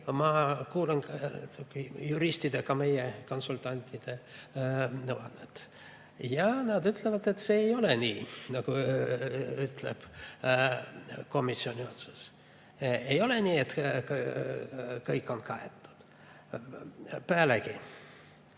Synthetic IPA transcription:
mɑkuːlɑnt̪ukːijuɾist̪id̪̥ekɑme̞jeko̞nsult̪ˑɑnʲt̪ʲːˑid̪̥e̞ | nɤwɑnːet̪ | jɑnɑd̪yt̪ˑlevɑd̪̥et̪se̞ːjo̞lenʲiːnɑku | yt̪lḛb̥ | ko̞misːio̞nʲiot̪sus | ejo̞lenʲiːet̪k | kɤjkːˑo̞nkɑet̪ˑːu̥d̪̥ | pæːleki

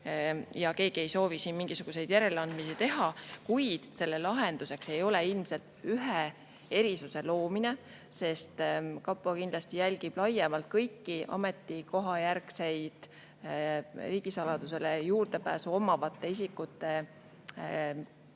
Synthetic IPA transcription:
jɑke̞ːɡ̥ie̞jso̞ːvisiːnmiŋɡ̥isuɡ̥use̞jd̪jæɾe̞leɑnd̪̥misit̪e̞ɦɑkujd̪̥se̞lːelɑɦe̞nd̪use̞kse̞jo̞le̞ilmse̞lt̪yɦe | e̞ɾisuse̞lo̞ːmine̞ | se̞st̪kɑpːˑokind̪lɑst̪ijælʲɡ̥ib̥lɑjemɑlt̪̚kɤjkːiʔɑ̰me̞t̪ːˑiko̞ɦɑjærkse̞jd̪̥ | riːɡ̥isɑlɑd̪use̞lejuːrd̪e̞pæ̰ːsuo̞mːɑvɑt̪ːe̞is̬ikːˑut̪ːˑe̞

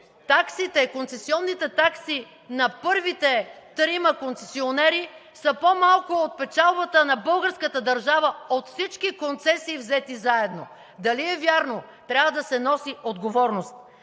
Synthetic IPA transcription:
t̪aksit̪ɛikont̪sɛsiɔnːit̪ɛt̪aksi | nɐpɤɾvit̪ɛt̪ɾimɐkont̪sɛsionɛɾisəpomalˠkoot̪̚pɛt͡ʃalˠbɐt̪ənɐbɤlˠɡəɾskət̪əd̪ɐɾʒavəot̪fsit͡ʃkikont̪sɛsiːvzɛt̪izaɛd̪no | d̪ɐliɛvʲjaɾno | t̪ɾʲjavəd̪ɐsɛnɔsiod̪ɡovɔɾnost̪̚

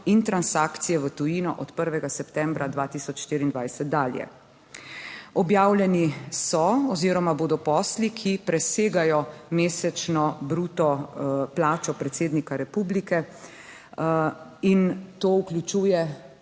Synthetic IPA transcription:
int̪ɾansaːkt̪sijɛʋət̪ujinɔʔɔt̪pəɾʋɛɡasɛpt̪ɛːmbɾad̪ʋaːt̪iːsɔt͡ʃʃt̪iːɾiːnd̪ʋajsɛt̪̚d̪aːljɛ̰ | ɔbjaːwlʲjɛnisɔɔziːɾɔmaboːd̪ɔpɔːslikʰipɾɛseːɡajɔmeːsɛt͡ʃnɔbɾuːt̪ɔplaːt͡ʃɔpɾɛt̪seːd̪nikaɾɛpuːblikɛ | int̪oːuklʲut͡ʃuːjɛ

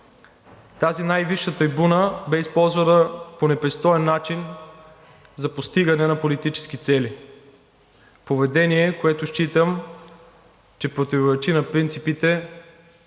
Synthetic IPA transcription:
t̪azinajviʃːət̪ɐjbunəbɛispɔlˠzvɐnəponɛpɾist̪ɔɛnːat͡ʃin | zɐpost̪iɡɐnɛnɐpolit̪it͡ʃɛ̥sk̟it̪sɛli | povɛd̪ɛniɛkoɛt̪ʊʃt͡ʃit̪əm | t͡ʃɛpɾot̪ivoɾɛt͡ʃinɐpɾint̪sipit̪ɛ

